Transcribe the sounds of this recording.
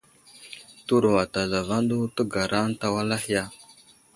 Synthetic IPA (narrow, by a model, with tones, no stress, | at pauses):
tu˦ɾu˨wa˨ta˨za˨va˦ndu˦tə˦ɡa˨ɾa˦n˦ta˦wa˦la˦hi˦ja˦